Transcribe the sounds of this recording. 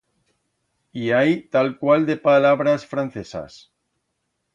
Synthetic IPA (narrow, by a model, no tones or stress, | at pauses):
iajt̪alkwald̪epalaβɾasfɾan̟θesa̰s